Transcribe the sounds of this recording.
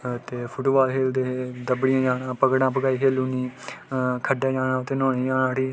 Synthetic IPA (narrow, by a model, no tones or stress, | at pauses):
t̪eːpʰʊʈuːʋaːlɦeːld̪eːd̪əbɽɪjãːd͡ʒaːnãːpəɡɽãːpəɡaːiːkʰeːluniː | kʰəɖaːd͡ʒaːnãːt̪eːnõːniːd͡ʒaːnãːʈiː